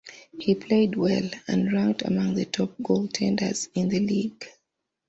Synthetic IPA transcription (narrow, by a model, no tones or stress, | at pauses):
hipʰl̥eɪd̚wɛlə̰̃nɹãʊ̃ndə̰mʌ̃ŋðətʰɔp̚ɡ̥olˠtʰɛ̃ndə̰˞z̥ɪ̃nðɨliɡ